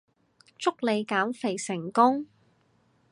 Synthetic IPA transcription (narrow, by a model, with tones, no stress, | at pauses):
t͡sʊ˥k̚le˨˧jkaː˨˥mfe˨˩jsɪ˨˩ŋkʊ˥ŋ